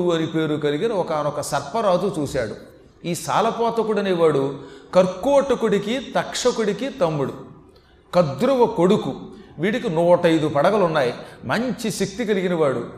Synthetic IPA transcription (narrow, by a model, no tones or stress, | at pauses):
uɐnipe̞ːɾukɐliɡinɐɔkɐnɔkɐsɐɾpɐɾaːt̪ut͡ʃuːsaːɽu | iːsa̰ːlɐpɔːt̪ɐkuɽɐnɛʋaːɽukɐɾkːuɐʈːɐkuɽikit̪ɐkʂɐkuɽikit̪ɐmːuɽu | kɐd̪ɾuʋɐkoɽukuʋiːɽikinuːʈɐjd̪upɐɽɐɡɐlunːaːjimɐɲt͡ʃiʃek̚t̪ikɐliɡinɐʋaːɽṵ